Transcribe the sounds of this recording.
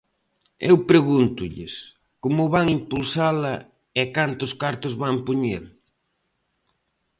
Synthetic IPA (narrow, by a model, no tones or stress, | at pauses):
ewpɾeɣunt̪ʊʎɪ̰s | komʊβaŋimpulsalɐ | ɛkant̪ʊskaɾt̪ʊzβampoɲeɾ